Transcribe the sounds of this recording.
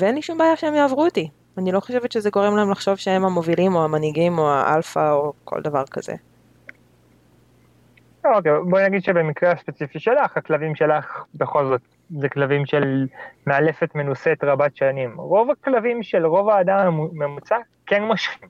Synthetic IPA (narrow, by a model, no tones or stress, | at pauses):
veenliʃumbeajaʃeemjaːvʁut̪i | anilo̞χo̞ʃevet̪ʃezeɡo̞ʁemlahemlaχʃo̞vʃee̞mhamo̞vilimo̞amaniɡimo̞a̰ʔa̰lfaokʰo̰ld̪avaʁkazḛ | okebonaɡid̪ʃebemikʁeaspe̞t͡sifiʃe̞laχaklavimʃe̞laχbe̞χo̞lzo̞t̪ | zeklavimʃe̞lmeale̞fet̪me̞nuset̪ʁabatʃanimʁo̞vaklavimʃelʁo̞vaːd̪ammemut͡sa | kenmaʃχim